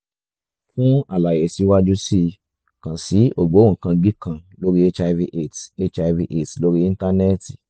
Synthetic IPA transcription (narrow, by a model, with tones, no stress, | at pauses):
fũ˦a˨la˨je˨si˨˦wa˦d͡ʒu˦si˦˧ | kã˨si˨˦o˦˨ɡ͡bo˨˦ũ˨kã˧ɡ͡bi˦kã˧lo˦ɾi˦e˦t͡ʃa˧vi˧ʔe˦˨te˦t͡ʃa˧vi˧ʔe˦˨tlo˦ɾi˦ĩ˧˦n˦ta˦ne˦˨ti˨